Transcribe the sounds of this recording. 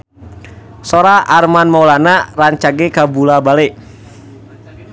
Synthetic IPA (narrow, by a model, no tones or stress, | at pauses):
soɾaʔarmanmawlanaraɲt͡ʃaɡɛkabulabalɛ